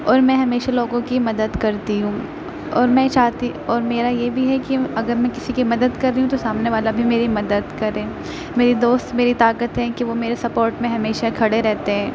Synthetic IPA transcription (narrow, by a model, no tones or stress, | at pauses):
ɔːɾmɛ̃ɦɐmeːʃaloːɡõkimɐd̪əd̪kɐɾt̪iɦũː | ɔːɾmɛ̃t͡ʃaːɦt̪i | ɔːɾmeːɾajebʱiɦɛkiɐɡəɾmɛ̃kɪsikimɐd̪əd̪kɐɾːiɦũt̪osaːmneʋaːlabʱimeːɾimɐd̪əd̪kɐɾẽː | meːɾid̪oːst̪meːɾit̪aːkət̪ɦɛ̃kiʋomeːɾesɐpoːɾʈmẽɦɐmeːʃakʰɐɽeɾɛɦt̪eɦɛ̃ː